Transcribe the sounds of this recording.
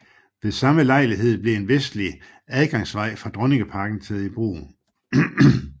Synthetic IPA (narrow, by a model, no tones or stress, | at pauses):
ʋe̝sɑ̈məlɑ̈ɪliɦe̝ð̞̰ˠb̥le̝e̝nʋesd̥li | æðˠɡ̥ɑ̈ŋsʋɑ̈ɪ̰fʁɑ̈d̥ʁɔne̝ŋəpʰɑ̈ɡ̥n̩t͡sʰeðˠib̥ʁṵː